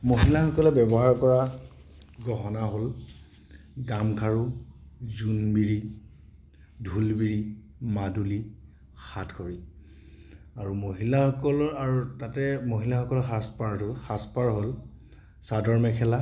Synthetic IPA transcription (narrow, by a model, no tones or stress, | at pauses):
moɦilaxɔkɔlɛbɛbɔɦaɹkɔɹa | ɡɔɦɔnaɦol | ɡamkʰaɹuzunbiɹi | dʱulbiɹi | maduli | xatkʰoɹi | aɹumoɦilaxɔkɔlɔaɹutatɛmoɦilaxɔkɔlɔxaspaɹtʊxaspaɹɦol | sadɔɹmɛkʰɛla